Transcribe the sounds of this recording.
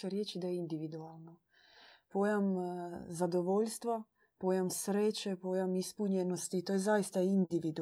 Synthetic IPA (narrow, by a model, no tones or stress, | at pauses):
aɾjet͡ʃid̪ajeind̪iʋid̪ualˠno | po̞ːjamzad̪oʋo̞ʎst̪ʋa | po̞ːjamsɾeːt͡ʃepo̞ːjamispuɲeno̞st̪it̪ojezajist̪aind̪iʋid̪u